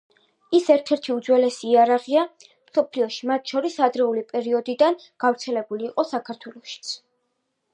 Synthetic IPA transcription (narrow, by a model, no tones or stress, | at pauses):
isɛɾt̪ʰɛɾt̪ʰiud̪zwɛlɛsiːaɾaʁia | msɔpʰliɔʃimat̪ʰʃɔɾisad̪ɾɛulipʼɛɾiɔd̪id̪an | ɡ̥avɾt̪sʰɛlɛbuliːqʼɔsakʰaɾt̪ʰwɛlˠɔʃi̥t̪sʰ